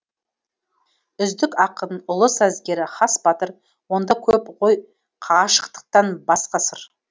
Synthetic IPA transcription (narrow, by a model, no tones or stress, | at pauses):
ʏzd̪ɪkʲɑqənʊlˠəsæzɡʲe̞ɾɪχɑsbɑt̪əɾ | wo̞nd̪ɑkʲʰɵpqoj | qʰɑʁɑʃə̥qt̪ə̥q̚t̪ɑnbɑsqɑsəɾ